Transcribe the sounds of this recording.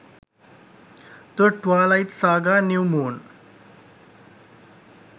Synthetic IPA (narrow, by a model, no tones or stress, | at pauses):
t̪əʈʋalaiʈ̪saɡanjuwmoːn